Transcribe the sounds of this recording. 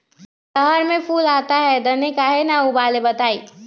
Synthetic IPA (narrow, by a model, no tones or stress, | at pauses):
səɦəɾmẽpʰuːlaːt̪aɦɛd̪ɐnekaɦenaubaːlebɐt̪aːiː